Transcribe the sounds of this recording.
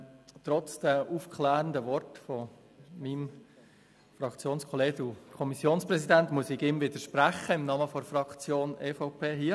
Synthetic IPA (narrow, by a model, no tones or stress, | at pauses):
t̪ɾɔt͡sd̥ɛʔufkʰlæːɾəndəʋɔɾtfɔ | mim | fɾɑkt͡sjoːnskʰɔle̥ːdukʰɔmisːjoːnspɾɛsidæntmuəsɪɡɪmvɪdəʃpɾæχəɪmnɑməfɔɾfrɑkt͡sjoːneːfɔʊpʰeːɦiːə